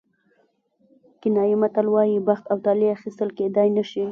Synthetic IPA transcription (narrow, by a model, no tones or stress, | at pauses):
kɪnɑjimat̪alwɑjibaxt̪awt̪aleaxist̪əlked̪ɑjnəʃi